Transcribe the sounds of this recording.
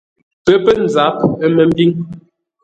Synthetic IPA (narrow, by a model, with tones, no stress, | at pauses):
pə˦pə˦n̩˨d͡za˨˦p̚ə˦mə˨m̩˦bi˦ŋ